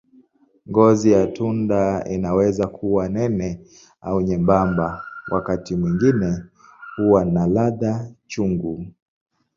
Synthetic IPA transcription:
ŋɡɔzijatundaḭnawɛzakʰuwanɛnɛ | auɲɛmbambawʔa̰katimwiŋɡinɛ | huwanalaðat͡ʃuŋɡu

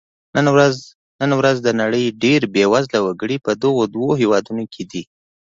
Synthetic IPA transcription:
nənwɾaz | nənwɾazd̪ənaɽəjɖeɾbewazlawaɡəɽipəd̪ʊɣod̪woɦewɑd̪unokʰed̪i

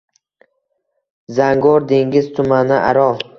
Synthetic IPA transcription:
zaŋɡɒɾd̪e̞ŋɡʲɪz̥t̪ʰʊmanɪʔa̰ɾɒl

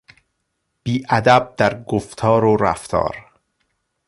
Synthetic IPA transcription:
b̥iːʔæd̪æb̚d̪æɾɡoft̪ʰɒːɾoɾæ̰ft̪ʰɒ̰ːɾ

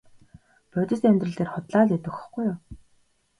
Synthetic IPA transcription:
pœt̪ʲɪ̆siːæmʲt̪rə̆ɮt̪eːrχʊt̪ɮaːɮet̪ɘ̆x̆χɡ̥ujʊ

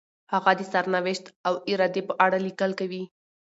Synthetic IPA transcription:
haɣad̪əsaɾnawɪʃt̪awɪɾɑd̪epəʔaɽalikəlkawi

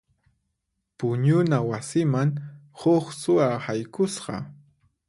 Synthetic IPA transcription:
pʊɲʊnawasɪmaŋhoχsʊahajkʊsɢɑ̰

